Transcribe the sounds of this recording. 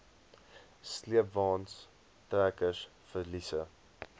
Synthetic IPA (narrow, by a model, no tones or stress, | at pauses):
sliəpvɑːns | træːkəs | fəlisə